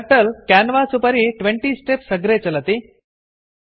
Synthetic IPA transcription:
ʈəlkænʋat͡supəɾiʈʋeɳʈiːsʈepsəɡɾet͡sələt̪i

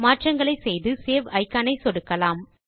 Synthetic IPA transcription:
maːʈrɐŋɡɐɭɐɪsɛjðɯseːʋɐɪkːaːnɐɪsɔɽɯkːɐlaːm

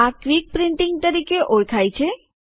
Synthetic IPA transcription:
akɾik̚pɾɪ̃ɳʈɪŋɡ̚t̪əɾikeʔoɭkʰajt͡ʃʰe

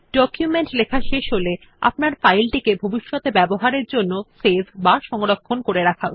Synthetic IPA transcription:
ɖɔkjumeɳʈlekʰaʃeʃɦole | a̰pnaɾfajlʈikebʱobiʃːot̪ebɛboɦaɾeɾd͡ʑonːosebʰbaʃɔŋɾokʰːonkoɾeɾakʰao

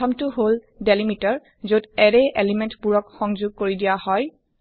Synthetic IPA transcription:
ɔmtʊɦol | delimitɔɹ | zodɛɹɛʔelimɛntpuɹɔkxɔŋzuɡ̚koɹidijahɔj

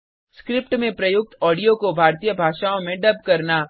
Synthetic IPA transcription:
skɾɪpʈmẽpɾɐjʊɡ̚t̪ɔːɽijokobʱaːɾt̪ijəbʱaːʃaːõmẽɖɐb̚ʱkɐɾnaː

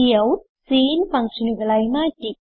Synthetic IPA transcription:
iɐw | siːnpaŋsinuɡɐlajmaːtik̚

